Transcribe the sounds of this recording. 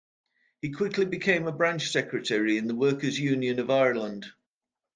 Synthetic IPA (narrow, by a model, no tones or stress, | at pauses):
hikʰw̥ɪkʰlɪbɪkʰẽɪ̃məbɹãnt͡ʃsɛkɹətʰɛɹiɪ̃nðəwɜˑkəzjʉ̃ːnjə̃nəvaɪələ̃nd̥